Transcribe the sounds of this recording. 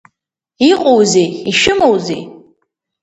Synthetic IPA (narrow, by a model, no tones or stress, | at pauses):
iqʼowzejiʃɪmowzḛj